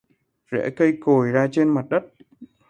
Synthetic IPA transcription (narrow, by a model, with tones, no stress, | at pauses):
zɛ̰˧˥kə˧jko˨˩jzaː˧t͡ɕe˧nma˨˩t̚ɗə˦˥t̚